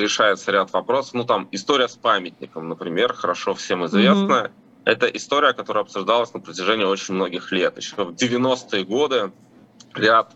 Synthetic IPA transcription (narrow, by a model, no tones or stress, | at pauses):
ɾʲɪʂajɪt̪səɾʲat̪vɐpɾo̞sə̥fnut̪amɪst̪o̞ɾʲɪjəspamʲɪt̚ʲnʲɪ̰kəmnəpɾʲɪmʲe̞rxəɾɐʂo̞fsʲe̞mɪzvʲesnəjə | ɛt̪əʔɪst̪o̞ɾʲɪjəkɐt̪o̞ɾəjəɐpsʊʐd̪ɑlˠəsʲnəpɾətʲɪʐɛnʲɪo̞t͡ɕɪnʲmno̞ɡʲɪxlʲe̞t̪ɪ̰ɕovdʲɪvʲɪno̞st̪ɨjəɡo̞d̪ɨ | ɾʲat̪